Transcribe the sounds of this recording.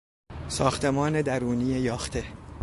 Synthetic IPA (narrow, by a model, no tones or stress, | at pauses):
sɒːxt̪ʰe̞mɒːne̞d̪æɾuːnijejɒːxt̪ʰe̞